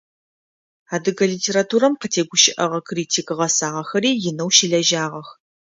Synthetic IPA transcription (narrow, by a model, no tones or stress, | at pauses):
aːdɨɡɐliːtʰeːɾatʰuːɾɐmqətʰeːɡʷʊʃɪʔɐʁɐkʰriːtʰiːkɨʁɐsaːʁɐxɐɾiːjɪnɐwʃiɮɐʒaːʁɐx